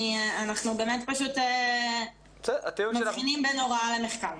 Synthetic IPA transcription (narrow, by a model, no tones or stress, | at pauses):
ianaχnube̞ːmet̪paʃut̪ː | zeʔat̪iumaχinimbeno̞ʁalemeχkal